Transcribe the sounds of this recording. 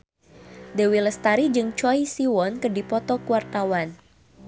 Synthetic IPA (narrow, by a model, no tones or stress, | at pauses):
dewiləst̪aɾid͡ʒɨŋt͡ʃɔisiwɔnkɨrdipɔt̪ɔkuwart̪awan